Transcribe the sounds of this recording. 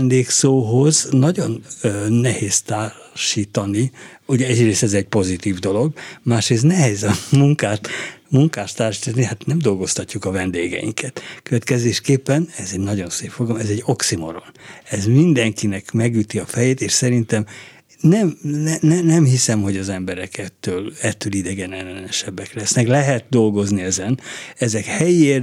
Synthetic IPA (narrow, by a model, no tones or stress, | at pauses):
nd̪eːksoːɦo̞znɒɟo̞nnɛheːst̪aːr | ʃiːt̪ɒniuɟɛɛɟreːst̪ɛzɛɟ̚po̞zit̪iːvd̪o̞lo̞ɡmaːʃreːs̬t̪nɛɦɛzɒmuŋkaːt̪muŋkaːʃt̪ːaːrʃiːt̪ɒnihat̪nɛmd̪o̞lɡo̞st̪ɒcːukɒvɛnd̪eːɡɛ̰jḭŋkʰɛt̪køvɛt̪kɛzeːʃkeːpːɛnɛzɛɟnɒɟo̞nseːpfoɡlomɛzɛɟːo̞ksimo̞̰ɾo̰nɛzmind̪ɛŋkinɛkmɛɡyt̪iɒfɛjeːt̪eːʃsɛɾint̪ɛm | nɛmnɛnɛnɛmhisɛmho̞ɟɒzɛmbɛɾɛkʰɛt̪ːøːlɛt̪ːølid̪ɛɡɛnɛlːɛnɛnɛʃɛbːɛklɛsnɛklɛɦɛt̪̚d̪o̞lɡo̞zniɛzɛnɛzɛkhɛjieːr